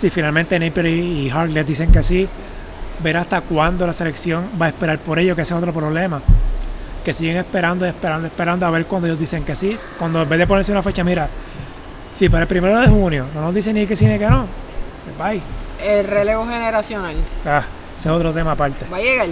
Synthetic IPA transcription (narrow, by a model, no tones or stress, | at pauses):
sifinalment̪enejpeɾiːɦaɾklesd̪ise̞ŋkeasi | be̞ɾast̪akwand̪o̞lase̞le̞ksjo̞ŋbaespe̞ɾaɾpo̞ɾe̞ʝo̞k̬eeseo̞t̪ɾo̞pɾo̞βle̞ma | ke̞siɣeŋe̞spe̞ɾand̪oespeɾand̪oe̞spe̞ɾand̪oaβe̞ɾkwand̪oejod̪ise̞ŋkeasi | kwand̪oembe̞zðepone̞ɾseunafe̞t͡ʃamiɾa | sipaɾaelpɾime̞ɾoðehunjo̞no̞nozd̪is̬enikesinekeno | ebajelreleɣoɦeneɾasjonala | eseo̞t̪ɾot̪e̞maːpaɾt̪ebajeɣal